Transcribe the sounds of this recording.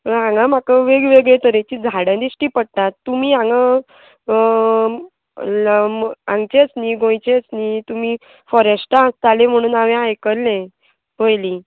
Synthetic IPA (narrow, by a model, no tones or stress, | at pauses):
ãŋɡam̤akəʋeɡʋeɡɭet̪əɾet͡ɕid͡zʱaɽjãd̪iɕʈiːpəɽ̚t̪at̪ːumiːãŋɡə | mãŋɡt͡ɕeət͡sniːɡõjt͡ɕeət͡sniːt̪um̤iː | fɔɾəsʈaãst̪alem̤əɽ̃uːnaʋẽajkəɾlẽ | bəjlĩ